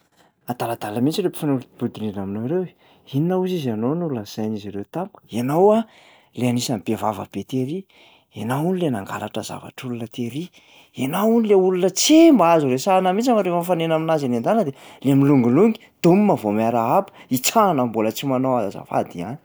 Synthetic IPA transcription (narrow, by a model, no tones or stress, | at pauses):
at̪alad̪aləmint͡siɾepi̥fanuluib̥ud̪ininaminoɾew | ininauzizanonululnəz̥ajniziɾewt̪ampuku̥enawa | leanisambevavə̰b̥et̪eɾi | enawunilenaŋɡa̰ɾaʈ͡ʂəza̰va̰ʈ͡ʂulunət̪eɾi | enawunileulunət͡sembaazuɾesanəmit͡samaɾefanfanenaminazinend̪anəd̪eleamiluŋɡuluŋɡi̥ | d̪̥umimavomiaɾaapə̥it͡sanambolət͡simanoazaza̰fa̰d̪iani̥